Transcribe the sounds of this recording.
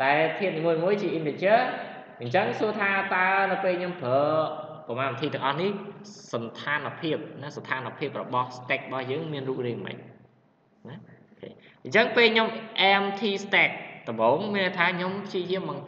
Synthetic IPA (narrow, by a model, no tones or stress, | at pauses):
ɗaɛlt̪ʰiət̪niːmuəjmuəjt͡ɕiəʔint̪et͡ɕəə | ɲt͡ɕəŋsuət̪ʰaːt̪aənɨwpeːlɲompʰəːpɑmaːnʋət̪ʰiːt̪ɨ̆əŋʔɑhnihsɑnt̪ʰaːnpʰiəp̚nast̪ʰaːnapʰiəp̚rɔɓɑhst̪ɛk̚ːɓɑhjəːŋmiənruːk̚riːŋmə̰c̚ | naʔokʰḛː | ɲt͡ɕəŋpeːlɲomʔɛmt̪ʰiːst̪ɛk̚t̪ɔmɓoːŋmiənʔəjt̪ʰaːɲompʰt͡ɕiəjiəmɓɑŋ